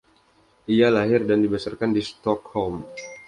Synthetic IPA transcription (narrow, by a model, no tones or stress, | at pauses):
ialaɦɪrdandibəsarkandist̪ɔkhɔlm